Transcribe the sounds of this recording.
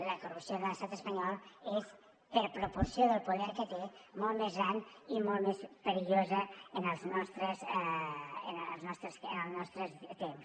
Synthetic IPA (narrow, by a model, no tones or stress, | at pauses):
ləkurupsioðələst̪at̪əspəɲɔlˠes | pəɾpɾupuɾsjoðəlˠpuðɛɾkət̪emɔlˠt̪mezɣɾanimɔlˠt̪mespəɾiʎozəənəlˠznɔst̪ɾəz | ənznɔst̪ɾəsənəlˠznɔst̪ɾəzt̪ems